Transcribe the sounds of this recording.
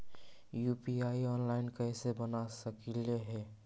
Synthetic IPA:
juːpiaːiɔːnlaːɪnkəɦsebənasəkileɦɛː

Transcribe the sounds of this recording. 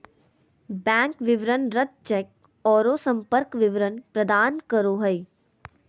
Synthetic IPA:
bɛ̃ːŋkʋɪʋɾənɾət̪̚t͡ʃɛk̚ | ɔːɾoːsə̃mpəɾkʋɪʋɾənpɾɐd̪aːnkəɾoːɦəi

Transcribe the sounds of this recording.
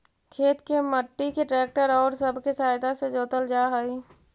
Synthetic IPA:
kʰeːt̪keməʈːikeʈɾɛːk̚ʈəɾɔːɾsəbʱkesaːjt̪ased͡ʒoːt̪əld͡ʒaːɦəi

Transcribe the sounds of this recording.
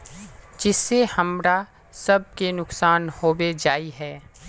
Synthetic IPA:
d͡ʒɪsːehɐmɾa | sɐb̚kenʊksaːnhoːwed͡ʒaːiɦɛː

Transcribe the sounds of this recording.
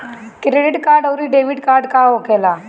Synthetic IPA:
kɾeɖɪʈkaːɾɖəwɾiɖeʋiɖkaːɾɖkaːɦokela

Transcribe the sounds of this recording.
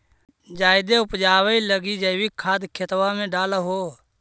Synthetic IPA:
d͡ʒaːɪd̪eʊpd͡ʒaːwəiləɡid͡ʒəɪwikʰːaːd̪kʰet̪wamẽɖaːlɦoː

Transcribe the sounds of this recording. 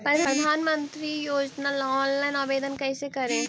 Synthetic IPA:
pɾɐpɾəd̪ʱaːnmə̃nt̪ɾijoːd͡ʒnalɔːnlaɪnaːbeːd̪ənkɛːsekɐɾẽː

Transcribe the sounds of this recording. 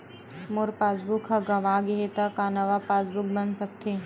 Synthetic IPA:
mʊɾpaːsbʊkɦaɡɐʋaːɡeɦet̪akanɐʋapaːsbʊk̚bɐnsɐk̚t̪e

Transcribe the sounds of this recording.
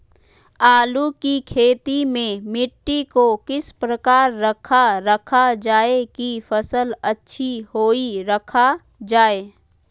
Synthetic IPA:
aːlukikʰeːt̪imẽmɪʈːikokɪspɾəkaːɾːəkʰaɾəkʰad͡ʒaːekifəsələtːʃʰihoːiɾəkʰa | d͡ʒaːeː

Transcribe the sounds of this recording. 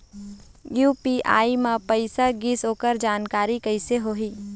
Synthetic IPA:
juːpiʔa̰ːimãpəɪsaɡisɦoːkəɾd͡ʒaːnkaːɾikəɪseɦoːɦiː

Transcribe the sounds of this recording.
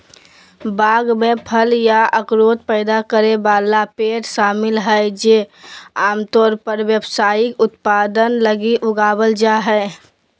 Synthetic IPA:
baɡmepʰəljaəkɾot̪pəɪd̪akəɾebalapeʈsamɪlɦəɪd͡ʒeaːmt̪ɔːɾpəɾwjəbsaikʊt̪pad̪ənləɡiʔʊɡabəld͡ʒaɦɛɪ

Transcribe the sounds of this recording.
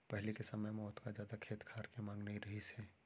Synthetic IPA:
pɛɦlikesɐməjmɔːt̪kazjaːd̪akʰeːt̪kʰaːɾkemãːŋɡneiɾɐɦiseː

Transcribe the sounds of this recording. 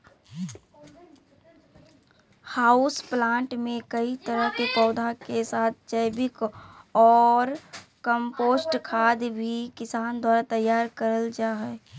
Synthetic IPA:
haːʊsplãːɳʈmẽkəit̪əɾəɦkepɔːd̪ʱakesaːt̪̚ʰt͡ʃəɪbɪkɔːɾkəmpoːsʈkʰaːd̪bʱikɪsaːnd̪ʱwaːɾat̪əjːaːɾkəɾəld͡ʒaːɦɛː

